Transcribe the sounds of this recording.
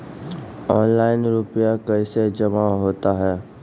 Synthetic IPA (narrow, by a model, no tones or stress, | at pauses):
ɔːnlaːɪnɾʊpijakɐised͡ʒɐmaɦoːt̪aɦɛː